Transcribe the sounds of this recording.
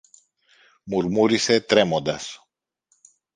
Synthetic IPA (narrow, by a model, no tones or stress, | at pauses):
muɾmuɾiset̪ɾɛmod̪as